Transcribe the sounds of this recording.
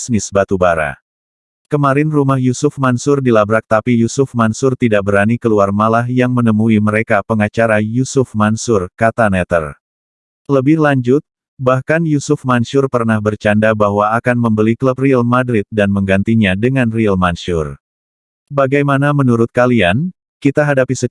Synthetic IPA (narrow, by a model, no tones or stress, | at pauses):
snɪsbat̪ubaɾa̰ | kəmaɾɪnrumahjusʊfmansʊrdilabɾak̚t̪apijusʊfmansʊrt̪idaʔ̚bəɾanikəluarmalahjaŋmənəmuiməɾekapəŋat͡ʃaɾajusʊfmansʊrkat̪anɛt̪ə̰r | ləbɪhlaɲd͡ʒʊt̪̚ | bahkanjusʊfmanʃʊrpərnahbərt͡ʃandabaɦwaːkanməmbəlikləp̚rialmadɾɪt̪̚danməŋɡant̪iɲadəŋanrialmansʊr | baɡajmanamənuɾʊt̪̚kalian | kit̪aɦadapisə